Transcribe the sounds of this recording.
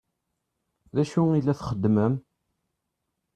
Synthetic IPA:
ðæʃuilːæθχəd̪ːməm

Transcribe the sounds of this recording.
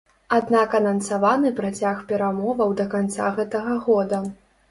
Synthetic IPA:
ad̪nakɐnɐnsavanɨpɾat͡sʲaxpʲɛɾamɔvɐwd̪ɐkant̪sa̰ɣɛt̪ɐɣɐɣɔd̪ɐ

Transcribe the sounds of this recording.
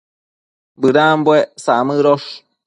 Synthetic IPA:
bɨɾãmbwesamɨɾoʂ

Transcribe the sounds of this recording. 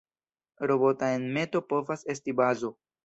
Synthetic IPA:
ɾo̞bo̞tae̞nme̞to̞po̞vase̞stibazo̞

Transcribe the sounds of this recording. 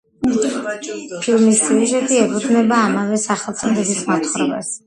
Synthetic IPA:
pʰilˠmisiuʒɛt̪ʰʼiɛpʰud̪znɛbaːmavɛsaχɛlˠt̪sʼɛd̪ɛbismat̪ʰχɾɔbɛ̰s

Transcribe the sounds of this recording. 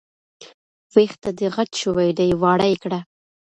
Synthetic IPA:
wext̪ad̪əɣatʃowajd̪ajwɑɽajkɽa

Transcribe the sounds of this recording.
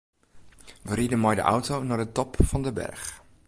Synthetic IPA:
ʋəɾidəmɔjdə̰ʔa̰wtownɔrdətɔpfɑndəbɛ̰rx

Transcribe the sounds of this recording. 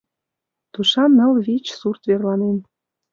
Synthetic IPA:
t̪uʃɑnəlβit͡ɕsurt̪βerlɑnen

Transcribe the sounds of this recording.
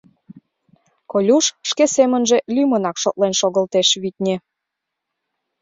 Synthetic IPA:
kolʲuʃʃkesemənʒe̽lʲymənɑkʃot̪̚lenʃoɣə̆lt̪eʃβit̪̚ʲnʲe

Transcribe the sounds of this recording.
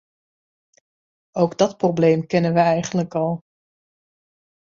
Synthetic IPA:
owɡdɑtprowbleːmkɪnənʋəɛjχənləkɑlˠ

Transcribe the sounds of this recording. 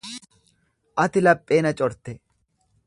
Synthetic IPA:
ʔɐt̪ɪlɐpʼːe̞ːnɐt͡ʃʼɔɾt̪ɛ

